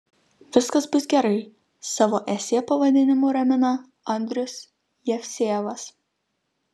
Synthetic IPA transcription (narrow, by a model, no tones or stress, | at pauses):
ʋʲɪskɐsbʊsɡʲɛɾɐɪ | sɑʋoːʔɛsʲeːpɐʋɐd̪ʲɪnʲɪmoːɾɐmʲɪnɐ | ɐnʲd̪ʲɾʲʊsʲ | jɛfʲsʲeːʋɐs